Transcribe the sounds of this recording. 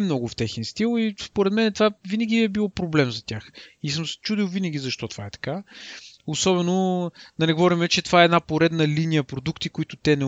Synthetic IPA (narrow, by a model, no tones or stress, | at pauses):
mnɔɡʊft̪ɛxɛnst̪ilˠispoɾɛd̪mɛnɛt̪vavinəɡʲiɛbilˠɔpɾoblɛmzɐt̪ʲaxisəmsɛ̥t͡ʃud̪iwˠvinəɡ̟ʲizɐʃt̪ɔt̪o̥vaɛt̪ɐ̥ka | osɔbɛnod̪ɐnɛɡovɔɾimɛt͡ʃɛt̪ovaɛɛd̪napoɾɛd̪nəlinijəpɾod̪ukt̪ikoit̪ʊt̪ɛnɛ